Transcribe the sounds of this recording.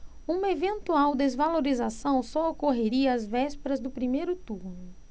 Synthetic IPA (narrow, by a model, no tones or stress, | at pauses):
ũmɐevẽnt̪uawd̪ezvaloɾizasɐ̃w̃sɔokoɦeɾiɐazvɛspeɾɐzd̪ʊpɾimejɾʊt̪uɾnʊ